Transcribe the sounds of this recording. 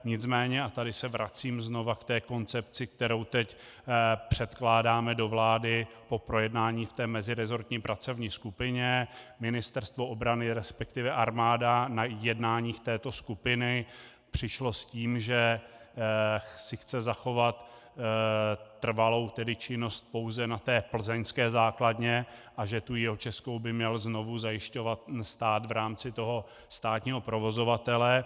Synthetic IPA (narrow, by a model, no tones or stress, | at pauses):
ɲɪt͡smɛːɲɛʔat̪adɪsɛvɾat͡siːmzno̞vakt̪ɛːko̞nt͡sɛpt͡sɪkt̪ɛɾo̞wt̪ɛc | pr̝̥ɛt̪klaːdaːmɛdo̞vlaːdɪ | po̞pɾo̞jɛdnaːɲiːft̪ɛːmɛzɪɾɛzo̞ɾt̪ɲiːpɾʔat͡so̞vɲiːskupɪɲɛmɪnɪst̪ɛɾst̪vo̞ʔobɾanɪɾɛspɛk̚t̪ɪvɛʔaɾmaːdanajɛdnaːɲiːxt̪ɛːt̪o̞skupɪnɪ | pr̝̥ɪʃlo̞sciːmʒɛ | sɪxt͡sɛzaxo̞vat̪ | r̩valo̞wt̪ɛdɪt͡ʃɪno̞st̪̚po̞wzɛnat̪ɛːpl̩zɛɲskɛːzaːkladɲɛʔaʒɛt̪ujɛɦot͡ʃɛsko̞wbɪmɲɛlzno̞vuzajɪʃco̞vat̪st̪aːt̪vɾaːmt͡sɪt̪o̞ɦo̞ | st̪aːt̪ɲiːɦo̞pɾo̞vo̞zo̞vat̪ɛlɛ